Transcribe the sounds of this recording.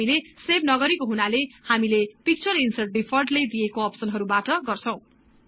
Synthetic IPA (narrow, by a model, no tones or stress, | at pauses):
ilesebnʌɡʌɾikoɦunalehamilepik̚t͡sʌrinsʌr̚ɖipʰʌrʈlejd̪ijekoʌpsʌnɦʌɾubaʈʌɡʌrt͡sʰʌ̃w̃